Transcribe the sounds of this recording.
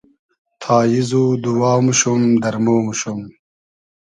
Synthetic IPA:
t̪ʰaːjizud̪uwaːwmuɕumd̪ɐɾmoːmuɕum

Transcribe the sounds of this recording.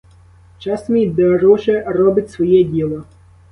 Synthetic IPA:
t͡ʃɑsmid̪ɐɾɔʒɛrɔbɪtʲsʋɔjɛdʲilˠɔ

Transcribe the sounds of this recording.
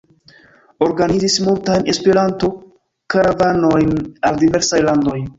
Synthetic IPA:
o̞ɾɡanid͡zismultajne̞spe̞ɾanto̞ | kaɾavano̞jnaldive̞ɾsajlando̞j

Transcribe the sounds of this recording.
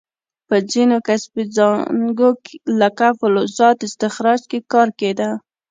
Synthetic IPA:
pəd͡zinokasbid͡zɑɡoklakafʊlozɑt̪ɪst̪ɪxɾɑd͡ʒkekɑɾked̪a

